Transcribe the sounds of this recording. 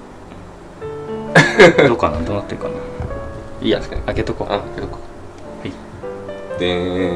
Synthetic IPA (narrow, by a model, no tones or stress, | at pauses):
d̪okːanand̪onat̪ːeɯka̰na̰ | ḭːaket̪okoket̪oko̥ | hai | d̪e